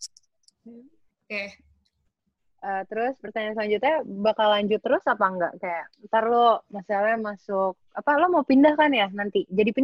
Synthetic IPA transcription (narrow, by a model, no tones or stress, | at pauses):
ke | ət̪əɾʊspərt̪aɲaslaɲd͡ʒʊt̪abakalːaɲd͡ʒʊt̪ːəɾʊsapaŋɡa̰ʔkajaʔt̪arlomasalamasʊk̚apalomaupindahkanjanant̪id͡ʒadipin